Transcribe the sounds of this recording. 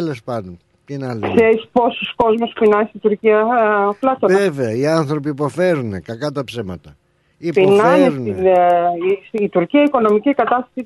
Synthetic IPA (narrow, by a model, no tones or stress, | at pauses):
elespɐnd̪on | pinɐlkseɾispo̞susko̞zmospinɐnst̪it̪uɾciɐplɐt̪neveɐiɐnθɾo̞p̬iːpo̞fe̞ɾunekɐkɐt̪ɐpsemɐt̪ɐ | ipinɐneɾuninisit̪uɾciɐiko̞no̞micikɐt̪ɐst̪ɐsi